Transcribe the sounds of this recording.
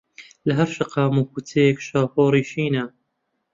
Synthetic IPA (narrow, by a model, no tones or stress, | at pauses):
lɐɦɐɾʃɐqʰaːmuːkut̪ʰejekʃaːfoːɾiːʃiːnɐ